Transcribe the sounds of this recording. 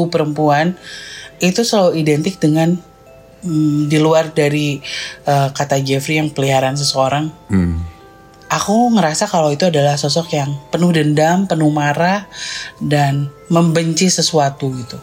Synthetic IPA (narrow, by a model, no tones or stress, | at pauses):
upəɾəmpuan | it̪usəlauidɛnt̪ɪk̚dəŋan | diluardaɾiʔəkat̪ad͡ʒɛfɾijaŋpəliɦaɾans̬əsəoɾaŋ | akuŋəɾasakalawit̪uadalahsɔsɔkjaŋpənuhdəndampənuhmaɾahdan | məmbəɲt͡ʃisəsuat̪uɡit̪u